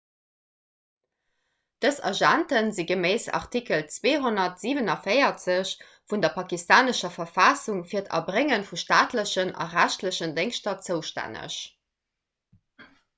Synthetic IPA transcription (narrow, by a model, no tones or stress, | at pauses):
d̥əsɑ̰ʒæntənziɡəmeɪsɑ̰ʁtʰikəlt͡sweːɦonɐtz̥iːvənɑfeɪɐt͡səɕ | fundɐpʰɑkistaːnəʃɐfɐfaːsuŋfiːɐtʰɑ̰bʁeŋənfuʃtaːtləɕənɑ̰ʁæɕtləɕəndeŋʃtɐt͡səʊʃtæ̰nə̰ɕ